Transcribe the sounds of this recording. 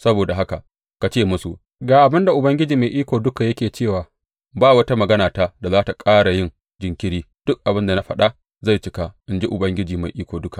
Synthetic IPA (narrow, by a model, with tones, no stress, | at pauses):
sɐ˦boː˨da˨ɦa˦ka˨ | ka˨t͡ʃeː˦˨mʊ˦sṵ˨ | ɡaː˨ʔa˨bɪ˦nda˨ʔʊ˨bɐ˦ŋɡʲɪ˦d͡ʒiː˨ma˨jʔiː˦kʷoː˨dʊ˦ka˨jɐ˦kʲeː˨t͡ʃeː˦˨waː˨ | baː˦wɐ˦ta˦mɐ˨ɡɐ˦naː˨taː˦da˨zaː˦ta˨kʼaː˦ɽa˨jɪ˦n | d͡ʒɪ˨ŋkʲɪ˦ɽiː˦ | d̥ʊ˦k̚ʔa˨bɪ˦nda˨na˦ɸɐ˨ɗa˦ | za˦˨jt͡ʃɪ˦ka˦ʔɪ˨nd͡ʒi˦ʔʊ˨bɐ˦ŋɡʲɪ˦d͡ʒiː˨ma˨jʔiː˦kʷoː˨dʊ˦ka˨